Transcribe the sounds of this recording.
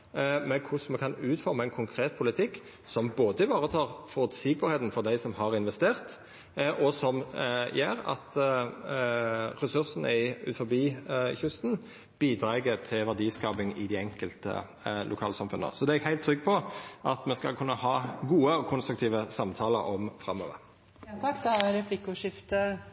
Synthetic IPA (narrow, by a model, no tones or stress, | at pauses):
mɛkʰʊsmɛkʰɑnʉːt̪fɔɾməæɪnkʰʊŋkʰɾeːt̪̚pʰʊlɪt̪ʰɪkː | sɔmboːd̪əɪʋɑːʁət̪ʰɑːʁfɔʁt̪sɪɡəbɑʁheːt̪n̩fɔʁd̪æɪsɔmɦɑʁɪnʋɛst̪eːʁt̪ | ʔɔsɔmjæːɾɑ̰t̪ | ɾɛsʉʁsənə̰ɪʉ̰t̪fɔbiːçʉst̪n | b̥iːd̪ɾɑːɡət̪ʰɪlʋæʁd̪iːskɑːpɪŋɪd̪æɛŋkəlt̪ə̰ | lʔʊkʰɑːlsɑmfʉnə̰sɔd̪ɛɛɡhæɪlt̪ʰːɾʏɡːpʰɔʔɑt̪mɛskɑ̰lkʰʉnːəhɑːɡuːəɔkʰʊnst̪ɾʉk̚t̪ʰiːʋəsɑmt̪ʰɑːlə̰ɔmfʁɑ̰mːø̰ːʋə̰ɾ | t̪ʰɑkːd̪ɛæɾɛpʰlɪkʊʂɪft̪ə